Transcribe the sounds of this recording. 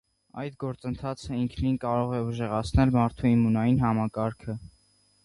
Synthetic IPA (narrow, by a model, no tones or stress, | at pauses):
ɑ̰jt̪ɡɔɾt͡sənt̪ʰɑt͡sʰəiŋkʰninkɑɾɔʁɛuʒɛʁɑt͡sʰnɛlmɑɾt̪ʰuimːunɑjinɦɑmɑkɑɾkʰə